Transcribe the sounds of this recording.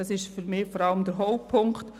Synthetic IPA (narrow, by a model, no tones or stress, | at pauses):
ɑsɪʃfyɾmɪːfɔɾɑləmd̥əɾɦɔʊpʰʊŋkt